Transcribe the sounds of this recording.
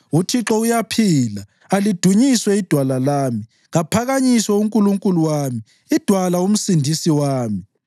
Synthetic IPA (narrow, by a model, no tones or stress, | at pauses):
utʰiǁɔujapʰiːlaː | lid̥ʱuɲiswɛid̥ʱwalalaːmi | ɣapʰaɣaɲisɔuŋkʼuluŋkʼuluwaːmi | id̥ʱwalaum̩sindʱisiwaːmi